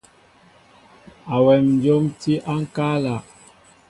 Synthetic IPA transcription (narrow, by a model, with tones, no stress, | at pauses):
a˨wɛ˨mn˦d͡ʒo˦mti˦ʔa˦ŋ̩˦ka˦la˨